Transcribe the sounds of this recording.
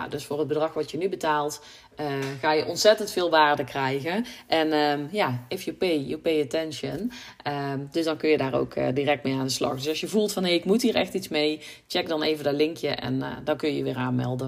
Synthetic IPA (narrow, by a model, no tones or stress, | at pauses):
døsfʊːrɦəd̚bədrɑxʋɔtjənybətaːlˠt | əɣaːjəʔɔntsɛtəntfɪːlˠʋaːrdəkrɛjɣəʔɛnəjaːɪfjəpejjəpejətɛnʃənədɵsdɑnkɵnjədaːro̰wkʰə̰dirɛk̚tmejaːndəslɑ̰xdɵsɑsjəvulˠtfɑnɦejɪkmutɦiːɹɛ̰xtitsmej | t͡ʃɛk̚dɑnejvəndɔtlɪŋkjəʔɛ̰ndɑnkɵjəjəʋɪːraːnmɛ̰lˠdə